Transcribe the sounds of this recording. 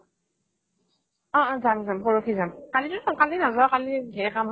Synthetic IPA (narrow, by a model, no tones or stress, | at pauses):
ɔʔzamzampɔɹokʰizamkalitunɔkalinazɔkaliɡʱɛɛkam